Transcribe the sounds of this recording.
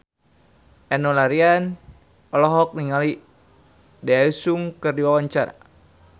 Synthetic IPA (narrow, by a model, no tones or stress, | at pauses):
ɛnɔlaɾian | ɔlɔɦɔk̚niŋali | daaisuŋkərdiwawaɲt͡ʃaɾa̰